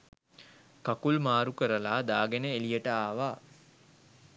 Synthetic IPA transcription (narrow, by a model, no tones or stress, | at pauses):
kakulmaːɾukəɾəlaːd̪aːɡenəelijəʈəaːʋaː